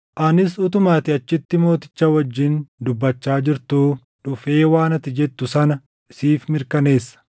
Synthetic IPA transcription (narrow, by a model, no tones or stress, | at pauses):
ʔɐnɪsʊt̪ʊmaːt̪ɪɐt͡ʃːɪt̪ːɪmo̞ːt̪ɪ̥t͡ʃːɐwɐd͡ʒːɪnd̪ʊbːɐt͡ʃːaːd͡ʒɪɾt̪uː | ᶑʊfe̞ːwaːnɐt̪ːɪd͡ʒɛt̪ːʊsɐnɐ | ɪsiːfmɪɾkɐne̞ːsːɐ̥